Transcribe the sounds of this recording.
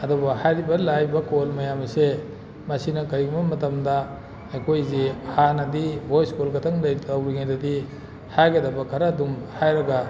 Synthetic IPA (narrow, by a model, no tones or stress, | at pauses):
ɐdubɐhajɾibɐlajbɐkolmɐjamɐse | mɐsinɐkɐɾiɡmɐmɐtɐmdɐː | jkʰojzehanɐdibʱojskulɡɐtʰɐŋlɐjtawɾiŋajdɐdi | hajkʰedɐbɐkʰaɾadumhajɾɐɡɐ